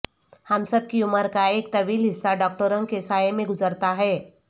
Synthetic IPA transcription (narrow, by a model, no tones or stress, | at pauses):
hɐmsɐb̚kiʊməɾkaeːk̚t̪ɐʋiːlɦɪsːaɖɔːk̚ʈəɾə̃ŋkesaːjemẽɡʊzəɾt̪aɦɛː